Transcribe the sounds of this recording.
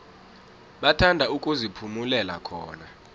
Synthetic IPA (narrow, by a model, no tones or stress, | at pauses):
ɓatʰandʱaukʼuzipʰumulɛla̰kʰɔ̰ːna